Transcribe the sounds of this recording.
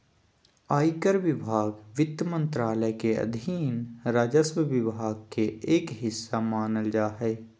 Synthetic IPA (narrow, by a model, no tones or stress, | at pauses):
aːikəɾʋɪbʱaːɡʋɪt̪jmə̃nt̪ɾaːləjkeɐ̰d̪ʱiːnɾaːd͡ʒəswəʋɪbʱaːɡ̚keeːkɦɪsːamaːnəld͡ʒaːɦɛː